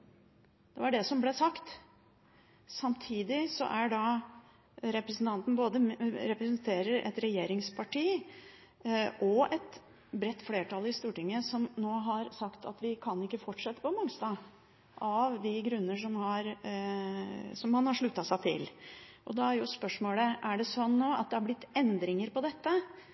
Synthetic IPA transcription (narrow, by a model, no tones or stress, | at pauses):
d̪̥ɛʋɑɖɛsɔmblɛsɑkt̪ | sɑmt̪ʰiːd̪ɪsɔ̰ʔæɖɑ | ɾɛpɾɛsn̩t̪ʰɑnt̪n̩boːd̪əɾɛpɾɛsnt̪ʰeːɾəɾʔɛ̰t̪ɾɛjeːɾɪŋspʰɑʈʰiː | ʔɔɛt̪ | bɾɛt̪ːfleːʈɑlɪst̪uːʈɪŋːəsɔmnoːɦɑɾsɑkt̪ʰɑ̰t̪ʋɪkʰɑnɪkːəfɔʈʂɛt̪ːə̥pɔmɑŋst̪ɑ | ʔɑʋd̪ɪɡɾʉnːəʂɔmhɑɾ | sɔmhɑnhɑʂɭʉt̪ːɑsæɪt̪ʰɪ̰lʔɔd̪ɑæɾjʊspœʂmoːləʔæɖɛsɔnːoːɑ̰t̪̚d̪ɛhɑɾblɪt̪ːɛnd̪ɾɪŋəɾpɔd̪ɛt̪ːə